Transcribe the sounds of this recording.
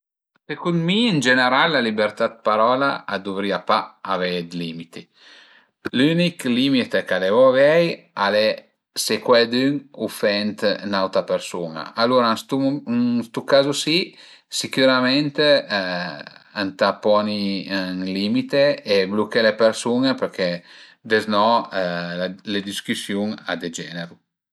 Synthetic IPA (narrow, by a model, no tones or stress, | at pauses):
sekund̪miːnd͡ʒeneɾalːalibeɾt̪at̪̚paɾɔla̰ad̪uvɾiapaavɛjd̪limit̪i | lyniklimit̪ekalevɔavɛj | ale | sekwɛd̪yŋufɛnt̪nawt̪apeɾsuna̰aluɾast̪ust̪ukazusi | sikyɾamɛnt̪e | ant̪apɔniŋlimit̪eːblukelepeɾsuŋepeɾkʰɛd̪eznɔ | aled̪iskysjuŋa̰d̪ed͡ʒɛneɾu